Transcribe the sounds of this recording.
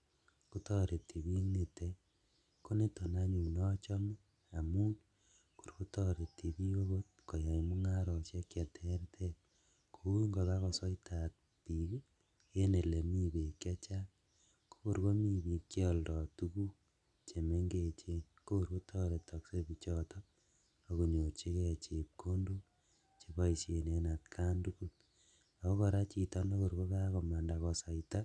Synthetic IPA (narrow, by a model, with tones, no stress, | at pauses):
ku˦tɔ˦ɾe˨ti˨βi˦ne˨te˦ | ko˦ne˦to˨na˦ɲu˨nɔ˦t͡ʃɔ˦me˦ | a˨mu˦n | ko˨ɾku˦tɔ˦ɾe˨ti˨bi˦wo˦ɣo˦t̚ko˨ja˨imu˦ŋa˦ɾɔ˨t͡ʃe˦kja˨tʰe˦ɾtʰe˦ | kʰo˨u˦ŋɡo˨βa˦ɣɔ˨sɔ˦i˦tʰa˨t̚ | pi˨ | je˦ne˨le˨mi˦be˨kja˦t͡ʃa˦ | ko̥˦ko˨ɾko˦mi˦˨bi˨kjɔldɔ˨tu˦ku˦ | t͡ʃe˨me˦ŋɡe˨t͡ʃe˦n | ko˦ko˨ɾko˦tʰɔː˦ɾe˨tɔ˨kse˦bi˨t͡ʃɔ˦tɔ˦ | a˨ko˨ɲo˨t͡ʃi˦ke˦˨t͡ʃe˨p̚kʰo˦ndo˦ | t͡ʃe˨ba˦i˨se˨ne˨na˨tkʰa˦ndu˦ku˦t | a˨ko˦kɔ˧ɾa˦t͡ʃi˨tɔ˦no˦ko˨ɾko˦ka˦ko˨ma˨nda˨kɔ˨sɔ˨jita˦